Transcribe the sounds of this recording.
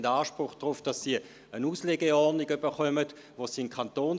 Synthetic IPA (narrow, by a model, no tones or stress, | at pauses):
daːʃpʁʊχd̥ʁʊfd̥ɑsːiː | ənuːsleːɡəɔɐdnɪɡybəχœmət | ʋoːsiːɪnkʰɑntoːn